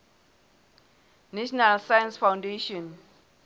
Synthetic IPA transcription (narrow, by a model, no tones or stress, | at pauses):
nɛʃɔnalsajansfawndeʃɔn